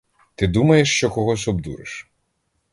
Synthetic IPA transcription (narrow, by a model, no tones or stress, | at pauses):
t̪ɪd̪umɐjeʃt͡ʃɔkɔɦɔsʲɔbd̪ṵɾɪʃ